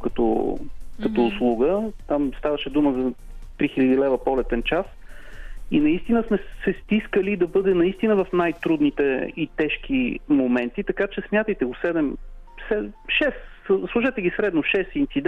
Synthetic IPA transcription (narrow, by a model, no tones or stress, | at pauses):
kɐt̪ɔ̰kɐt̪oːslˠuɡət̪amst̪avɐʃɛd̪uməzɐt̪ɾixilʲəd̪ilɛvəpɔlɛt̪ɛnt͡ʃas | inɐist̪inəsmɛsɛst̪iskəlid̪ɐbɤd̪ɛnɐist̪inəvɐfnajt̪ɾud̪nit̪ɛit̪ɛʃk̟imomɛnt̪it̪ɐkat͡ʃɛsmʲjat̪əjt̪ɛɡosɛd̪ɛm | sɛʃɛsslˠuʒɛt̪ɛɡʲisɾɛd̪noʃɛsint̪sid̪